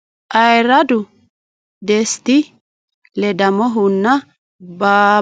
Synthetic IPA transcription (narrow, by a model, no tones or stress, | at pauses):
ʔɐjɾɐd̪ʊ | d̪ɛst̪ɪ | lɛd̪ɐmɔɦʊnːɐ | baː